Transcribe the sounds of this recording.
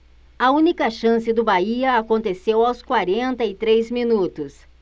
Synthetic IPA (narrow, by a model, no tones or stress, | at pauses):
ɐũnikɐʃɐ̃sɪd̪ʊbaiɐakõnt̪esewawskwaɾẽnt̪ɐɪt̪ɾejzminut̪ʊs